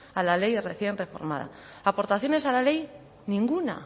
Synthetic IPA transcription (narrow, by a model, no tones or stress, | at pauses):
alale̞jre̞θje̞nre̞fo̞̰ɾma̰ð̞a̰ | apo̞ɾt̪aθjo̞ne̞salale̞j | nĩŋɡuna̰